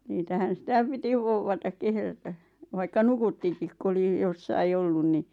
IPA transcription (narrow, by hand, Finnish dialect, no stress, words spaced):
niːtæhæn̞ sĭtæˑ piti ʋouʋːɑtɑk kehrætæ ʋɑikːɑ nukutːikik ku oli josːɑi olːun ni